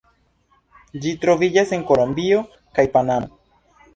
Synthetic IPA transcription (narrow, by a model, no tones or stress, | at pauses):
d͡ʒitɾo̞vid͡ʒase̞ŋko̞lo̞mbio̞ | kajpanamo